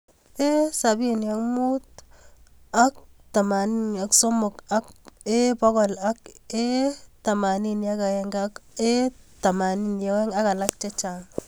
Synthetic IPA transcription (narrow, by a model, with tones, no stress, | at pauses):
e˦sa˨bi˦nja˨kmu˦t̚ | a˦k̚ta˨ma˨ni˦na˨kso˦mʊ˨ka˦ke˦pɔ˦kɔ˨la˦ke˦ta˨ma˨ni˦nja˦ka˨jɛ˨ŋɡa˦ke˦ta˨ma˨ni˦nje˨˦wɛ˦ŋa˦ka˨la˦k̚t͡ʃe˦t͡ʃa˨ŋ